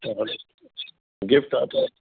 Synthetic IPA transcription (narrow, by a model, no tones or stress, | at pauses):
ɡɪfʈat̪a